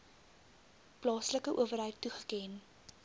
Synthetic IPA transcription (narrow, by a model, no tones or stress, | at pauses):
plɑːsləkəʔṵəvərɦəjtːuχə̥kɛn